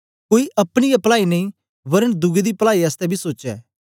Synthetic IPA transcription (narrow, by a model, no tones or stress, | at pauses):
koːiʔɐpɽ̃ɪjapɐlaːinɐĩ | ʋɐɾənd̪ʊɡed̪ipɐlaːiɐst̪ɛbʱisoːt͡ʃɛ̰ː